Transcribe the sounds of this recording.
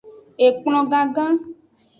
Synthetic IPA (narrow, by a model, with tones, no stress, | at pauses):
e˨k͡pl̃ɔ̃˨ɡã˨ɡã˦